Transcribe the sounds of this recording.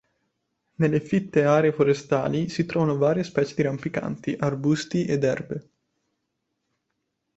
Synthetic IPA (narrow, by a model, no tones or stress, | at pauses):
nelːefit̪ːeaːɾeːfoɾest̪a̰ːlisit̪ɾɔːvanovaːɾjespɛːt͡ʃed̪iɾampika̰nt̪iʔarbust̪iʔed̪ɛ̰rbe